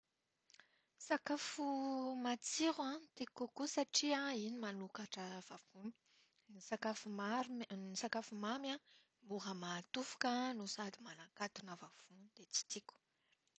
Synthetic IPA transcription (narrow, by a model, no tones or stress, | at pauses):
sakafumat͡siɾãt̪ikukusaʈ͡ʂiãinimanukaʈ͡ʂəv̥av̥umi̥ | nisakafumaɾnisakafumamjã | muɾəmat̪ufu̥kənusad̪imanakat̪unavav̥und̪̥et͡si̥t̪iku̥